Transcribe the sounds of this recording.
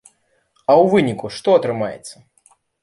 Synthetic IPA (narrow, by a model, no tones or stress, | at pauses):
ɐwvɨnʲikuʂt̪ɔɐt̪ɾɨmajɛ̰t̪sːɐ